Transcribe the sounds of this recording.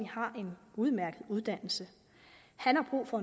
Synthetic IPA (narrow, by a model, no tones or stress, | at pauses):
ihɑ̈ʔe̝nuð̞ˠmæɐɡ̥əð̞̩ˠuð̞ˠd̥æn̰l̩sə | hænhɑ̈b̥ʁṵːfɒ̽e